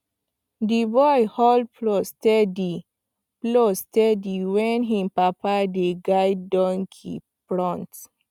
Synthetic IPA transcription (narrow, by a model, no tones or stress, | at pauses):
dibɔjhɔld̚plostɛdi | plostɛdiwɛ̃nɦĩmpapadiɡajdɔ̃ŋkʰḭ | pɹɔ̃nt